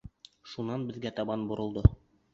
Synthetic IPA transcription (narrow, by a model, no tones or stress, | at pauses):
ʃunɑnbɘ̆ðɡæt̪ɑbɑnbŏɾɤ̆lˠd̪ɤ